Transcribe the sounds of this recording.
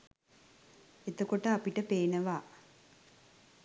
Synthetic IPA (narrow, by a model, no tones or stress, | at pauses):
et̪okoʈəapiʈəpeːnəʋaː